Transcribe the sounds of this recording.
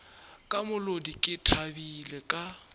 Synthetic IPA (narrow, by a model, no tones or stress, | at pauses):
kʼamʊlodikʼɪtʰabilɛkʼa